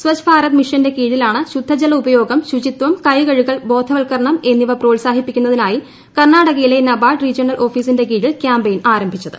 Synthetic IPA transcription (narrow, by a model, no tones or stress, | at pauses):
swɐt͡ɕbʰaːɾɐt̪miʂɐnde̞kiːɽilaːɳɨɕud̪ʱːɐd͡ʑɐlɐubɐjo̞ːɡɐmɕud͡ʑit̪ʋɐmkɐjɡɐɻuɣɐɭbo̞ːd̪ʱɐʋɐɭkɐrɐɳɐme̞nːiʋɐpro̞ːɭsaːɦipːikʲːunːɐðinaːji | kɐrɳaːɽɐɣɐjile̞nɐbaːʈrid͡ʑiɐnɐlʔo̞ːfiːsinde̞k̬iːɽilkjaːmbejinaːɾɐmbʱit͡ɕːɐðɨ̥